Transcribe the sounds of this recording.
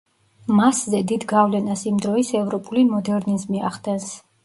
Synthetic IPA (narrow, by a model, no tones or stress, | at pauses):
maszɛd̪id̪ɡavlɛnasimd̪ɾɔisɛvɾɔpʼulimɔd̪ɛɾnizmiaχd̪ɛns